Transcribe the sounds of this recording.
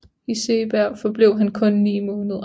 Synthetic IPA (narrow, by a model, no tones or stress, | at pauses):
ise̝ːb̥æɐ̰fɒ̽b̥le̝ʊ̰ɦænkʰɔ̽nːnḭːmɔ̽ːnəðˠɐ